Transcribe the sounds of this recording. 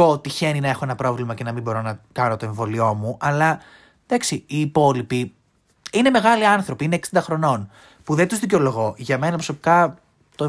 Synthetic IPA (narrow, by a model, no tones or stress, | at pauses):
oot̪içe̞ninɐe̞xo̞e̞nɐpɾo̞vlimɐce̞nɐmimbo̞ɾo̞nɐkɐno̞t̪o̞e̞ɱvo̞lio̞muʔɐlɐ | ð̥ɐksiiːpo̞lipi | ine̞me̞ɣɐliɐnθɾo̞piineksind̪ɐxɾo̞no̞n | puðet̪uzðic̬eo̞lo̞ɣo̞ʝɐme̞nɐpɾosopi̥kɐ | t̪o